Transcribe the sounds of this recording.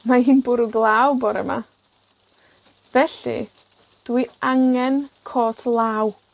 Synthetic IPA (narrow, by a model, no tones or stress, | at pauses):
mahiːnbʊɾuɡlˠaːwbɔɾɛ̰ma̰ | vɛɬḭ | d̥wiaŋɛnkʰoːtʰlˠaːw